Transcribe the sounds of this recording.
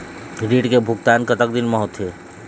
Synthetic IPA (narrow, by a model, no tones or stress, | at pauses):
ɡɾiːɖkebʱʊɡt̪aːnkət̪ək̚d̪ɪnmə̃ɦʊt̪ʰe